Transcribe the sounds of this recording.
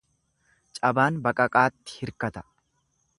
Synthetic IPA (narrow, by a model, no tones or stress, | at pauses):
t͡ʃʼɐbaːnbɐkʼɐkʼaːt̪ːɪ̥hɪɾkɐt̪ɐ̥